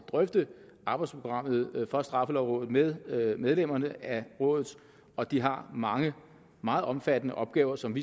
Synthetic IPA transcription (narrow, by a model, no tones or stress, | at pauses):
d̥ʁœfd̥ə | ʔɑ̈ːb̥ɑ̈ɪdspʰo̝ɡ̥ʁɑ̈m̰ð̞̩ˠfɒ̽sd̥ʁɑ̈fəlɒʊʁɔ̽ːð̩ˠmemeðˠlem̰ɐnəæʁɔ̽ːðˠð̩ˠ | ɒ̽d̥iɦɑ̈mɑ̈ŋə | mɑ̈ːð̩ˠʔɒ̽mfæd̥ənəʔɒ̽b̥̚ɡ̥ɛːʊɐsɒ̽mʋi